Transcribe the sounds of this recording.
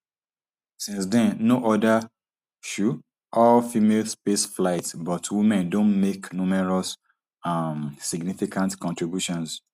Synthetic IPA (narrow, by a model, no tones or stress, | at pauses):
sĩnsdɛ̃nnoʔɔda | ʃu | ʔɔlfimelspesflaɪtsbɔtʰwimɛ̃ndõnmeknumɛɹɔs | amsiɡnifikʰãntkɔ̃ntɹibjuʃɔ̃ns